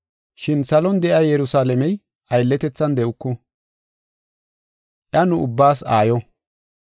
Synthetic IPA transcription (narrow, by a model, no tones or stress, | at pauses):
ʃɪnsɐlɔnd̪ɛʔɐjjɛɾʊsaːlɛmɛj | ʔɐjlːɛt̪ɛt͡sːɐnd̪ɛʔʊkːʊ | ʔjɐnʊʊbːaːsaːjɔ